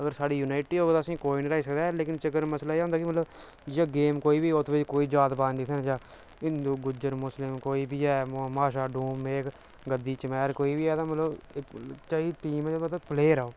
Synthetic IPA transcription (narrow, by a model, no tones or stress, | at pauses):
əɡəɾsaːɖiːjuːnaːɪʈiːɦoːɡt̪aːəsĩːkoːinːɾaːiːsəkd̪aːɛːleːkɪnt͡ʃəkəɾməslaːeːɦʊ̃ːnd̪aːkimət̪ləb | d͡ʒeɡeːmkoːiːbiːot̪ʰʋɪd͡ʒkoːiːd͡ʒaːt̪baːnd̪iːkʰɛːnːd͡ʒaː | ɪ̃nd̪uːɡʊd͡ʒəɾmʊslɪmkoːiːbiːɛːmmaːʃaːɖũːmeːk | ɡəd̪ːiːt͡ʃəmɛːɾkoːiːbiːɛːt̪ãːmət̪ləbɪkt͡ʃaːiːʈiːmɛd͡ʒmət̪pleːɾəoː